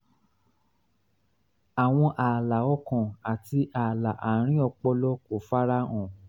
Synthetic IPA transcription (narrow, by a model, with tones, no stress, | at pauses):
a˨w̃ɔ̃˧ʔaː˨la˨ɔ˦kɔ̃˨a˨ti˧ʔa˨la˨ʔa˨ɾ̃ĩ˦ɔ˧k͡pɔ˧lɔ˦ko˨fa˦ɾa˦ɔ̃˨